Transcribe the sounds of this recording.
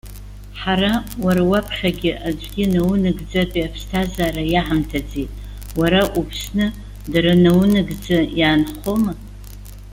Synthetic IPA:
ħarawaɾawapʰχʲaɡʲɪʔad͡ʒʷʼɡʲɪnawnɨɡd͡zatʼiapʰstʰazaːɾajaħamtʰad͡zejtʼ | waɾaʔupʰsnɨ | daɾanawnɨɡd͡zajaːnχo̞ma

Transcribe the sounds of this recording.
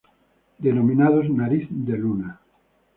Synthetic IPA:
d̪enomĩnaðoznaɾiθd̪eluna

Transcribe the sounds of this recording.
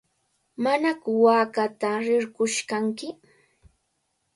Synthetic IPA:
manakʊwaːkat̪aɾɪɾɢʊʃkaŋkɪ

